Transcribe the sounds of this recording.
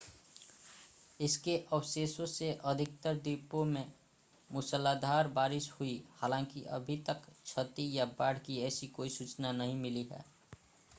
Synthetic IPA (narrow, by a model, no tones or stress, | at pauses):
ɪskeʔəwseːsõseʔəd̪ʱɪk̚t̪əɾd̪ipomẽ | mʊsəlːad̪ʱaːɾbaːɾɪʃhuihaːlãːŋkḭʔə̰bʱit̪əkt͡ʃʰət̪ijabaːɽ̤kiɛːsikoːisut͡ʃnanəɦĩmɪliɦɛ̰ː